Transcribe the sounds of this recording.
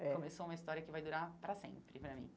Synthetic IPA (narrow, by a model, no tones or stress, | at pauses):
ɛkõmesoũmɐist̪ɔɾiɐkɪvajd̪uɾapɾɐsḛ̃mpɾɪpɾɐmḭ̃